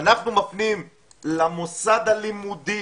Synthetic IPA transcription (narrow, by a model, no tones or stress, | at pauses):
naχnumafnim | lamosad̪alimud̪i